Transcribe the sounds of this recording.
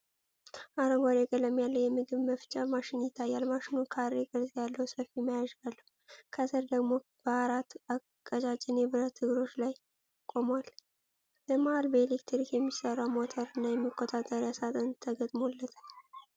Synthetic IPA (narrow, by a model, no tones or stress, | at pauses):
ʔaɾəmaɾekʼələmjalːəwjɛmɨɡɨβməft͡ʃʼamaʃɪnjɪt̪ʰːajːalmaʃɪnukʰaɾekʼəlzʼjalːəwsəfimajaʒalːə | kʰət̪ʰəɾd̪əɡmo̞ | b̥əaɾat̪ːa | kʼːət͡ʃʼat͡ʃʼɪnɛbɨɾət̪ʰːɨɡɾo̞t͡ʃːlaj | kʼo̞mwal | ləmahalbəelekt̪ʰɨɾikjɛmːisərːawmo̞t̪ʰəɾɨnːajɛmːikʰʼːot̪ʼat̪ʼːəɾjasat̪ʼənt̪ʰːəɡət̪ʼmolːət̪ʰal